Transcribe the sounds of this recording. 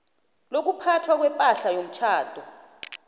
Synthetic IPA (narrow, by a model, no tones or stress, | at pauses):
lok̬upʰatʰwak̬wɛmpʼaɬajom̩t͡ʃʰaːd̥ʱʼɔ